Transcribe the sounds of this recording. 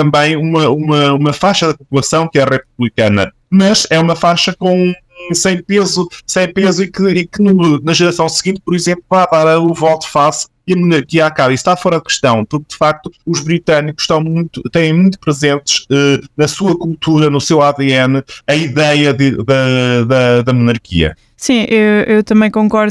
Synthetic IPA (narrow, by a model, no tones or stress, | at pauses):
t̪ɐ̃mbɐ̃j̃umɐumɐumɐfajʃɐðɐpupulˠɐsɐ̃w̃kɛʁɛp̚uβlˠikɐnɐ̰ | mɐʃɛumɐfaʃɐkõ | sɐ̃j̃pezusɐ̃j̃pezuĩkɨẽkɨnunɐʒɨɾɐsɐ̃w̃sɨɣĩnt̪̚pɔɾizẽmplˠuvaðaɾɐuvɔt̪u̥fas | iɐmunɐɾkiɐakaβist̪afɔɾɐðkɨ̥ʃt̪ɐ̃w̃puɾk̚d̪ɨfak̚t̪uːʒβɾit̪ɐnikuʃːt̪ɐ̃w̃mũj̃t̪ut̪ɛ̃jẽj̃mũj̃t̪u̥pɾɨzẽnt̪ɨ̥ʃɛnɐsuɐkulˠt̪ʰuɾɐnusewaðeɛnɐiðɛjɐðɨðɐðɐðɐmunɐɾkʰḭɐ̰ | sĩʔewewt̪ɐmɐ̃j̃kõŋkɔɾð